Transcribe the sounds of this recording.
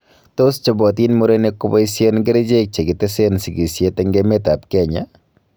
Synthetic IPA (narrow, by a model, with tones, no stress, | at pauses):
t̪o˦st͡ʃɔ˨bɔ˨t̪i˦nmo˦ɾenekːʊbɔ˦isjo˦nɡe˦ɾe˦d͡ʒek̚t͡ʃe˨ɡɪ˨t̪ɛ˦se˦nsi˨ɡi˨sjet̪ɛ˦ŋɡeme˦t̪a˨p̚kɛ˨ɲa̰